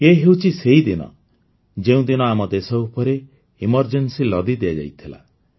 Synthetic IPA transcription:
keɦewt͡ʃʰiseɦid̪inɔ̰ | d͡ʒeũd̪inɔamɔd̪esɔupɔɾe | imɔɾd͡ʒensilɔd̪id̪iad͡ʒa̰jt̪ʰila̰

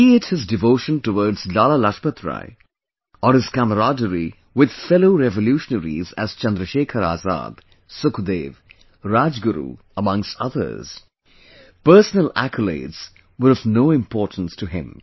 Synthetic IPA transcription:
iɪdhɪzdɨvoʊʃə̃ntəwɔɹdz̥laːlalaʃpət̪ɹa̰ɪ | əɹɨz̥kæməɾadəɹi | wɪd̪̥fɛloʊɾɛvəljuʃənəɾḭzæ̰z̥t͡ʃʌ̃nd̪ɾəʃeːkʰəɾa̰ːza̰ːd̪̥ | sʊkd̪eːv | ɹad͡ʒɡʊɾṵ | əmʌ̃ŋstʌðə̰˞z̥ | pɜ˞sənəlæ̰kʰəlḛɪdz̥ | wəɾʌvnoːɪ̃mpʰɔːɹtn̩stʰɨɦɪ̰̃m

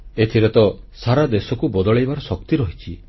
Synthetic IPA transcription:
et̪ʰiɾet̪ɔ | saɾad̪esɔkubɔd̪ɔɭejbaɾɔsɔkt̪iɾɔɦit͡ʃʰi

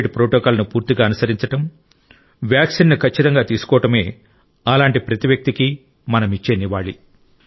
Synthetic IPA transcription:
ɖpɾoːʈɔːkaːlɐnupuːɾt̪iɡaːɐnɐsɐɾiɲt͡ʃɐʈɐm | ʋjaːksinːukʰɐt͡ʃːit̪ɐŋɡaːt̪iːsu̥kɔːʋɐʈɐme̞ː | ɐlaːɳʈipɾɐt̪iʋjɐk̚t̪iki | mɐnɐmit͡ʃːeːniʋaːɭi

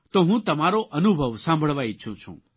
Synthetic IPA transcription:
t̪oɦũt̪ɐmaɾoʔənubʱəʋsãmbʱəɭʋaiʃʰũt͡ʃʰṵ̃ː

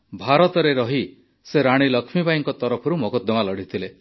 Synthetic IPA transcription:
bʱaɾɔt̪ɔɾeɾɔɦi | seɾaɽ̃ilɔkʰmibaiŋkɔt̪ɔɾɔpʰɔɾumɔkɔd̪ɔmalɔɽ̤it̪ʰile

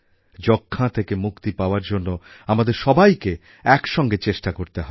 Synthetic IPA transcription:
d͡ʑokʰːat̪ʰekemukt̪ipaoaɾd͡ʑonːoamad̪eɾʃɔbajke | ɛkʃɔŋɡet͡ɕeʃʈakoɾt̪eɦɔe

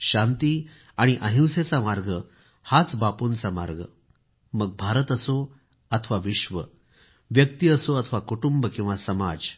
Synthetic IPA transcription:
ɕant̪i | aɽ̃iʔəɦĩwset͡samaɾɡʱə | hat͡sbapunt͡sama̰ɾɡʱə̰ | məɡ̚bʱaɾət̪əso | ət̪ʰʋaʋiɕʋə | ʋjək̚t̪iəsoət̪ʰəʋakuʈumbəkĩw̃ʋasəmad͡z

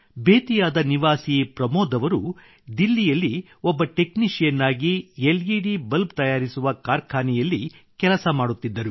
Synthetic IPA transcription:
bʱeːt̪ijaːd̪ɐniʋaːsipɾɐmoːd̪ɐʋɐɾu | d̪ilːijɐlːi | ɔbːɐʈe̞kniʃjɐnːaːɡielɡiːɽibɐlbt̪ɐjaːɾisuʋɐkaːɾkʰaːnijɐlːi | kɛlɐsɐmaːɽut̪ːid̪ːɐɾu

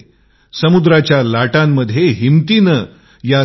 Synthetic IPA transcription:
səmud̪ɾat͡ɕjalaʈamːəd̪ʱjeɦimt̪inə | ja

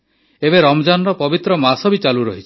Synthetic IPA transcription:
ebeɾɔmd͡ʒanɾɔpɔbit̪ɾɔmasɔbit͡ʃaluɾɔɦit͡ʃʰi̥

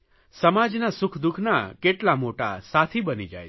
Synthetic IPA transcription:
səmad͡ʒnasʊkʰd̪ukʰnakeʈlamoʈa̰sat̪ʰibənid͡ʒa̰j

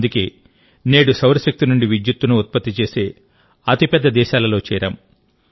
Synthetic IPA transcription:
d̪uke̞ː | ne̞ːɽusɐwɾɐʃek̚t̪inuɳɖiʋid̪jut̪ːunuut̪̚pɐt̪ːit͡ʃe̞ːseː | ɐt̪ipɛd̪ːɐd̪ɛːʃaːlɐlo̞ːt͡ʃɛːɾɐ̰m

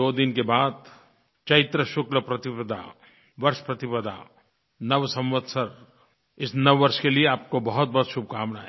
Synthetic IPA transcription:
oːd̪ɪnkebaːd̪ | t͡ʃɐɪt̪ɾəʃʊkləpɾɐt̪ɪpəd̪ʱa̰ | ʋɐɾʃpɾɐt̪ɪpəd̪ʱa̰ | nɐʋsɐ̃mʋət̪sɐɾ | ɪsnɐʋːɐɾʃkelieaːp̚kobɐɦʊt̪̚bɔɦt̪ʃʊb̚ʱkaːmnaɦɛ

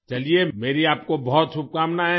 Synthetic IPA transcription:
t͡ʃɐliemeːɾiaːp̚kobɔɦt̪sʊb̚kaːmnaɦɛ

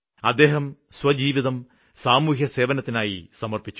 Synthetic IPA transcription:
ɐd̪ːe̞ːɦɐmswɐd͡ʑiːʋiðɐm | saːmuːɦjɐse̞ːʋɐnɐt̪ːinaːjisɐmɐrpit͡ɕːu̥

